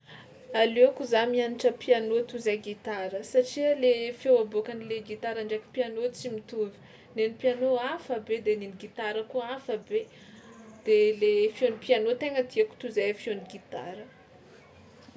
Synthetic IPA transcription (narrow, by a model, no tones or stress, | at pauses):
aleakuzamianiʈ͡ʂəpianot̪uzajɡit̪aɾəsaʈ͡ʂialefewabokanileɡit̪aɾaɳɖ͡ʐekʲu̥pianot͡simit̪uvi̥ | nenipijanoafəbed̪eniniɡit̪aɾəkuafəbe | d̪̥elefjonipianot̪eŋəd̪iaku̥t̪uzaafjoniɡit̪a̰ɾə